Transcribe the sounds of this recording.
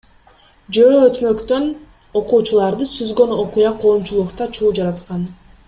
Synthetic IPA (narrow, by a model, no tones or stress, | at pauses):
d͡ʒøːøt̪mø̞kt̪ø̞n | o̞quːt͡ʃulˠɑɾd̪ɯsyzɡø̞no̞qujɑqʰo̞ːmt͡ʃulˠuqt̪ɑt͡ʃʰuːd͡ʒɑɾɑt̪qɑn